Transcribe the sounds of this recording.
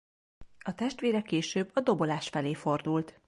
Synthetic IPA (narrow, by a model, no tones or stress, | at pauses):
ɒt̪ɛʃt̪ʋeːɾɛkeːʃøːbːɒd̪o̞bo̞laːʃfɛleːfo̞rd̪ult̪